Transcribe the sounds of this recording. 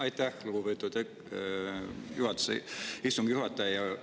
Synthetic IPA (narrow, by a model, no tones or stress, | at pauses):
ɑjt̪ːæhluɡupet̪ːˑut̪ek | juhɑt̪ːˑu̥seist̪uŋɡ̥juhɑt̪ːˑɑjjɑ